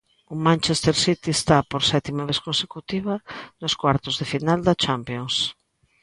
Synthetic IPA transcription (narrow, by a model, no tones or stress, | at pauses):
ʊmãnt͡ʃest̪eɾsit̪iest̪apoɾsɛt̪imaβeskõnsekut̪iβɐnʊskwaɾt̪ʊzðefinald̪ɐt͡ʃampjoŋs